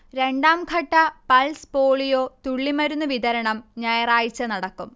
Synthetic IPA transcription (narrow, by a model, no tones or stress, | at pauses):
ɾe̞ɳɖaːmkʰɐʈːɐpɐlspoːɭijoːt̪uɭːimɐɾunːuʋid̪ɐɾɐɳɐmɲɐjɐraːjit͡ɕːɐnɐɽɐkːum